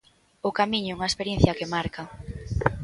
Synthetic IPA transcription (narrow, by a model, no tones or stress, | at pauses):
ʊkamĩɲɛuŋɐespeɾjenθjɐkemaɾkɐ